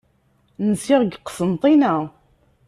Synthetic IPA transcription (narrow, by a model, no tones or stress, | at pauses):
nəsɪʁɡqːə̥sənt̪ˤinæ